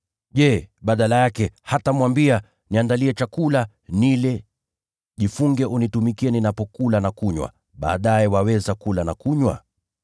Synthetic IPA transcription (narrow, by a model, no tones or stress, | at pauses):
ʄɛɓaɗalajakɛhatamwambia | niandaliɛt͡ʃakula | nilɛ | ʄifuŋɡɛʔunitumikiɛninapɔkulanakuɲwa̰ | ɓa̰ːɗajɛwawɛzakulanakuɲwa̰